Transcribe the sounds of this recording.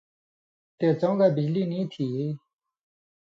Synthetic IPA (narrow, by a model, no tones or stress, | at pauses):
t̪et͡sɔ̃ɡabid͡ʑlinit̪ʰi